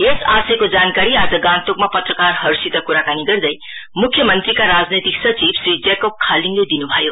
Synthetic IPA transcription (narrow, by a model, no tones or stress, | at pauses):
esasʌkod͡zankaɾiad͡zʌɡãnt̪okmapʌt̪rəkarɦʌɾsit̪ʌkuɾakaniɡʌrd̪ʌj | mukʰːjʌmʌnt̪ɾikaɾad͡znet̪iksʌt͡sibsɾid͡zekop̚kʰaliŋled̪inubʱʌjo